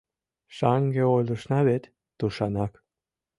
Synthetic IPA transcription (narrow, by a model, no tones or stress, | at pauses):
ʃɑŋɡeojlˠɤ̆ʃnɑβet̪ | d̪̥uʃɑnɑk